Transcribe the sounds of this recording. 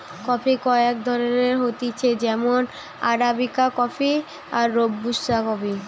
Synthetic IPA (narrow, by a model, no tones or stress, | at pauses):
kɔfʰikɔek̚d̪ʱɔɾoneɾɦot̪it͡ɕʰed͡ʑɛmon | a̰ɾabikakɔfʰi | aɾːobːuʃːakɔpi